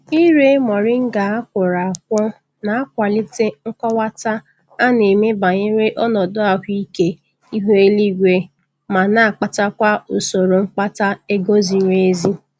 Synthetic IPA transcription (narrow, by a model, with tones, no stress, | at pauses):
i˦ɾe˦mɔ˨ɾɪ˦ŋ̩˦ɡa˨a˦kʷʊ˨ɾa˨a˨kʷɔ˦ | na˨a˦kʷa˨li˦te˦ŋ̩˦kʷɔ˦wa˦ta˦ | a˦ne˨me˦ba˨ɲe˦ɾe˦ʔɔ˦nɔ˨dʊ˦a˨ɦʷi˦ke˦ | i˦ɦu˦e˦li˦ɡʷe˦ | ma˨na˦˨k͡pa˨ta˦kʷa˦ʊ˨so˨ɾo˨ŋ͡m̩˦k͡pa˦ta˦e˦ɡo˦zi˦ɾe˦e˦zi˦